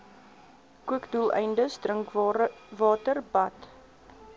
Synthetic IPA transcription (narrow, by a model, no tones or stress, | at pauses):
kuəkdulˠɛ̰jndəsdrəŋkvɑːtərbɐt